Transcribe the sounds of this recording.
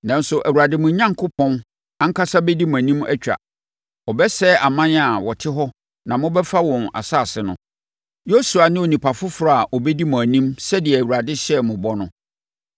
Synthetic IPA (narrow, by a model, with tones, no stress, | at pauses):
nã˨n˦sʊ˨ʔæ˨wu˨ɾa˨dɪ˦mʊ̃˨˦ɲã˦ŋkʰʊ˦pʰɔ̃˦n | ã˦ŋ̩˦kʰa˦sa˦bɛ˦di˦mʊ̃˨æ˨nĩ˦mæ̰˦t͡ɕᶣa̰˨ | ɔ˨bɛ˦sɛ˦ʔa˨mã˦n˦a˨wɔ˨tʰɪ˦ɦɔ˦ | nã˨mʊ̃˦bɛ˦fa˦wɔ̃˨na̰˨saː˦˨sɪ˨nʊ̃˨ | jo˦su˨a˨nɪ̃˦o˨nĩ˨pʰa˨fʊ˦fɾa˦˨a˨ʔɔ˨bɛ˦di˦mʊ̃˨æ˨nĩ˦msɛ˦dɪ˨ɛ˨æ˨wu˨ɾa˨dɪ˦ɕɛ˦˨mʊ̃˨bɔ˦nʊ̃˦